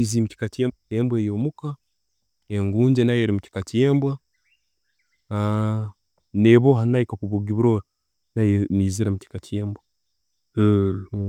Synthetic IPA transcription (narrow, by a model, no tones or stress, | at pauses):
izimuci̥katijeembweːjoːmuka | eŋɡuːɲd͡ʒenajeɾimuci̥katieːmbwa | a | neβoɦanajikakuβuɡiβuɾoːɾa | najeniːziɾamuci̥katieːmbwa